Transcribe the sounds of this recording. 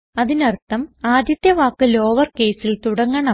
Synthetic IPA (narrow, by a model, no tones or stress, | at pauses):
ɐðinɐrt̪ːɐmaːd̪jɐt̪jɐʋaːkːɨlo̞ːʋɐrke̞ːsilt̪uɽɐŋːɐɳɐ